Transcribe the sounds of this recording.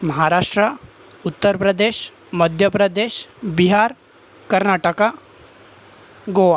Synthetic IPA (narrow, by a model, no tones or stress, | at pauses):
məɦaɾaʂʈɾə | ut̪ːəɾpɾəd̪eɕ | məd̪ʱjəpɾəd̪eɕbiɦaɾ | kəɾnaʈəka | ɡoʋa